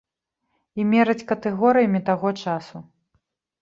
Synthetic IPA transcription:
imʲɛɾɐt͡sʲkɐt̪ɛɣɔɾɨjɐmʲit̪aɣɔt͡ʂasu

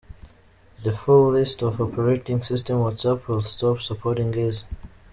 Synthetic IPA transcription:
ðəfullɪstɔvəpʰɹɔɹɛk̚tɪ̃ŋsɪstə̃mwɔdsʌpʰwɪlˠstɔpsəpʰɔɾɪ̃ŋɡɪz

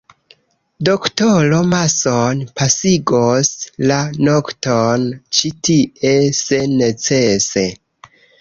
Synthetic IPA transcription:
do̞ktolo̞masonpasiɡoslanoktont͡ʃitie̞se̞ne̞t͡se̞se̞

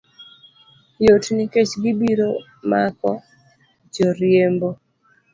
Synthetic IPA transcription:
jotnɪket͡ʃɡɪbiɾo | makɔ | d͡ʒɔɾjembo

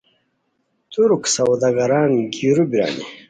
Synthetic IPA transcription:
t̪uɾksɐwd̪aɡɐɾaːnɡiɾubiɾa̰ːnḭ

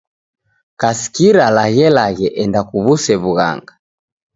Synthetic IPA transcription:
kasi̥kiɾalaɣɛlaɣɛʔɛndakuβusɛβuɣa̰ŋɡa

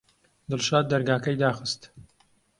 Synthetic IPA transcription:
d̪ɨlʃaːd̪̚ːɐɾɡaːkɐjd̪aːxɨst̪

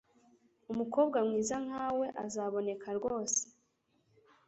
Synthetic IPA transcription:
umuko̞ːbɡamŋiːzaŋ̥haːwe̞ʔazaːβo̞ne̞kʰaɾɡo̞ːse̥

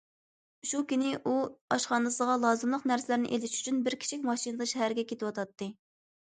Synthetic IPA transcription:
ʃukʲynɪʔuɑʃχɑnɨsəʁɑlˠɑːzɨmlˠəqnæɾsɪlæɾnɪ̰ʔelɪʃy̥t͡ʃʰynbɪɾkʲi̥t͡ʃʰikʲmɑʃinɨd̪ɨʃɛhæɾɡʲɛkʲʰet̪ɪwɑt̪ʰɑt̪ːɨ

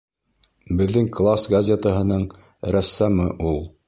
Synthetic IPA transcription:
bɘ̆ðːɘŋklˠasɡɐzʲet̪əɦɤ̆nɤɴ | ɾæsːæmɤʔulˠ

